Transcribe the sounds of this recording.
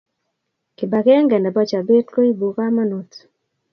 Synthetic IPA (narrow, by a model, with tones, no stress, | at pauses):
kɪ˨ba˨ɡɛ˦ŋɡɛ˨ndɛ˨bɔ˦t͡ʃa˨be˦tlo˦i˦bu˨ka˦ma˦no˨t